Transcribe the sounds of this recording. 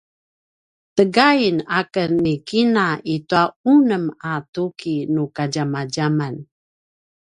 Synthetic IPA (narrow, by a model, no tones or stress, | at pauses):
təɡainakənːikinaituaunəmatukʰinukaɟamaɟaman